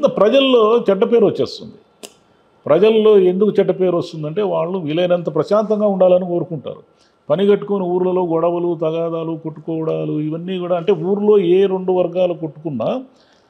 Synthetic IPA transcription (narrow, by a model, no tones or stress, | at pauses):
int̪ɐpɾɐd͡ʒɐllːoːt͡ʃɐɖːɐpe̞ːɾʋɐt͡ʃːe̞ːst̪und̪i | pɾɐd͡ʒɐlɐloːe̞nd̪ukut͡ʃɛɖːɐpe̞ːɾʋɐst̪und̪ɐɳʈe̞ːʋaːɭːuʋilɐjnɐnt̪ɐpɾɐʃaːnt̪ɐŋɡaːuɳɖaːlɐniko̞ːɾukuɳʈa̰ːɾṵ | pɐnikɐʈːukoːniuːɾulɐlo̞ːɡɔɽɐʋɐlut̪ɐɡaːd̪aːlukoʈːu̥kɔːɽaːluiʋɐnːiːkuːɽaːɐɳʈe̞ːuːɾulo̞ːeːɾe̞ɳɖuʋɐɾɡaːluko̞ʈːu̥kunːaː